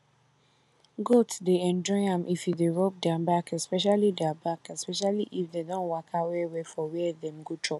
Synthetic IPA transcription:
ɡotdeɛ̃nd͡ʒɔɪãmʔifjudeɹop̚dãbakɛspɛʃalidɛabakɛspɛʃaliʔifdedɔ̃nwakʰawɛwɛfɔwɛɛðɛ̃mɡotʰɹɔp̚

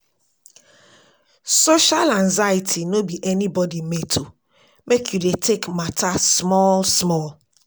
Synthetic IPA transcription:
soʃalãnzaɪtʰinobiʔɛnibɔdimetʰo | mekjudetʰekmatasmɔlsmɔl

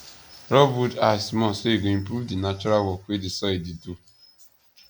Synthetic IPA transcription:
ɾɔbudasmɔ̃soeɡoĩmpɾuvdinat͡ʃɔɾalwɔkwedisɔiditu

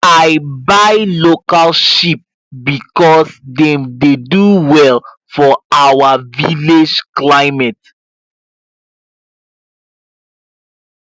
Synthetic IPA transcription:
ajbajlokalʃip̚ | bikɔsdɛ̃mdeduwɛl | fɔawaviled͡ʒklaɪmɛt

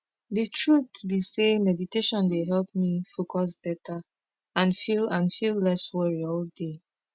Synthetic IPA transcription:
ditʰɹutbisemɛditeʃɔ̃ndeɦɛlp̚mifokɔs̬b̥ɛtʰa | ãnfilãnfillɛswɛɹiɔlde

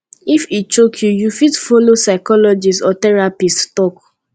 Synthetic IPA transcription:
ifit͡ʃokʰjujufidfolosaɪkɔlɔd͡ʒisɔtɛɹapisttɔk

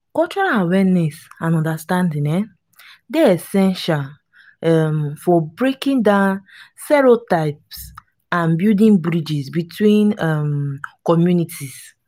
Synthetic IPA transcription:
kɔt͡ʃɔɾalawɛnɛsãnɔ̃ndastãndĩnɛ | deesɛ̃nʃal | ɛmfɔbɹekĩndãʊn | stɛɹotaɪps | ãnbjudĩnbɹid͡ʒisbitʰwĩnɛmkɔmjunitʰis

